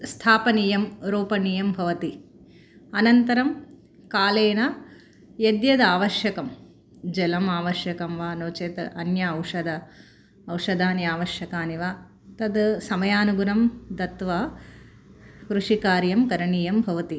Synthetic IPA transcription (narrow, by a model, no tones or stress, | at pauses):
st̪ʰaːpɐniːjɐmɾuːpɐniːjɐmbʱɐʋɐt̪i | ɐnɐnt̪ɐɾɐm | kaːleːnɐ | jɐd̪jɐd̪aːʋɐʃjɐkɐm | d͡ʒɛlɐmaːʋɐʃjɐkɐmʋaːnoːt͡ʃeːt̪ɐnjɐːwʂɐd̪ɐː | wʂɐd̪aːnjaːʋɐʃjɐkaːniʋa | t̪ɐd̪sɐmɐjaːnuɡunɐmd̪ɐt̪ʋɐ | kɾuʂikaːɾjɐmkɐɾɐɳiːjɐmbʱɐʋɐt̪i